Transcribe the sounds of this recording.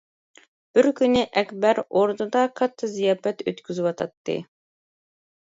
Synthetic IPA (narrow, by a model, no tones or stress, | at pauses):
b̥ɪɾkʲynːɪʔɛkʲbæɾoɾd̪ud̪ɑqʰɑt̪ʰːɨzijɑːfɛt̪ʰøt̪kʲʰyzywɑt̪ʰɑt̪ːɨ̰